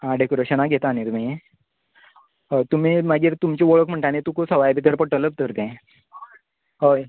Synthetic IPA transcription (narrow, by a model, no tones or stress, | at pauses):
ãɖekoɾəɕənaɡʱet̪anit̪mĩ | t̪um̤iːmaɡiːɾt̪umt͡ɕiːʋoɭəkm̤əɳʈañit̪ũkosəʋajbʱit̪əɾpəʈələp̚t̪əɾt̪ɛ̃ | ɦo